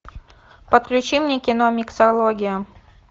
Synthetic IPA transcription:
pət̪klʲʉt͡ɕimnʲekʲɪnomʲɪksɐlˠoɡʲɪjə

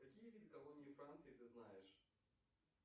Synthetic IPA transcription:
kɐkʲijəvʲidʲɪkɐlˠonʲɪjɪfɾant̪sɨɪt̪ɨznajɪʂ

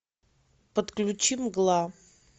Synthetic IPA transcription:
pət̪klʲʊt͡ɕimɡlˠa

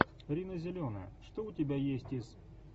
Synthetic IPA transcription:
ɾʲinəzʲɪlʲonəjə̰ʂt̪oʊtʲɪbʲajesʲtʲɪz̥

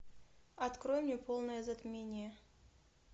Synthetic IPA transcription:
ɐt̪kɾojmnʲepolˠnəjəzɐt̪mʲenʲɪjə

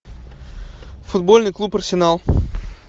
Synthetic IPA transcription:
fʊd̪bo̞lʲnɨjklˠupərsʲɪnalˠ

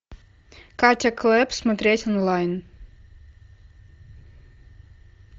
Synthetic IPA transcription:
kaɾt̪ʲɛklˠɛpsmɐt̪ʲɾʲɛːt̪ʲɔnlˠajn

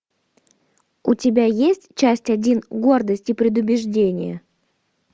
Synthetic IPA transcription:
ʊtʲɪbʲajesʲtʲt͡ɕæsʲtʲɐdʲinɡo̞rd̪əsʲtʲipɾʲɪd̪ʊbʲɪʐdʲenʲɪ̰jə̰

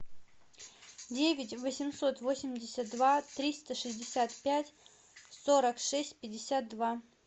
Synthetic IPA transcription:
dʲevʲɪtʲvəsʲɪmso̞t̪vo̞sʲɪmʲdʲɪsʲət̪̚d̪vat̪ɾʲist̪əʂɨzʲdʲɪsʲat̪pʲætʲ | soɾəkʂɛsʲtʲpʲɪdʲːɪsʲat̪̚d̪va

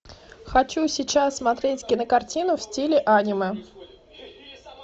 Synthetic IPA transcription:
xɐt͡ɕusʲɪt͡ɕassːmɐt̪ɾʲetʲkʲɪnəkɐrtʲinʊfsʲtʲilʲɪʔanʲɪmɨ

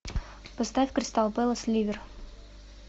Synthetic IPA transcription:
pɐst̪afʲkɾʲɪst̪alˠpɛlˠəslʲivʲɪr

